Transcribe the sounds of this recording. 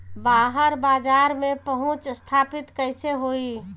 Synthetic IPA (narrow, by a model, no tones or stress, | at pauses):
baːɦəɾbaːd͡ʒaːɾmẽpəɦɔ̃t͡ʃst̪ʰaːpɪt̪kəɪseɦoi